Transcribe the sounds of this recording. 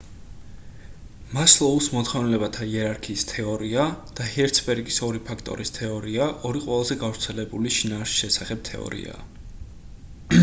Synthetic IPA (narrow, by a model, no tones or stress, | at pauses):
maslˠɔusmɔt̪χɔvnɛlɛbat̪ʰaiɛɾaɾkʰiːst̪ʰɛɔɾiad̪̥ahɛɾt̪sʰbɛɾɡisɔɾipʰakʰt̪ʼɔ̰ɾist̪ʰɛɔɾiaʔɔɾiqʼwɛlˠazɛɡavɾt̪sʰɛlɛbuliʃinaːsi̥ʃɛsaχɛb̚t̪ʰɛ̰ɔ̰ɾḭa̰ː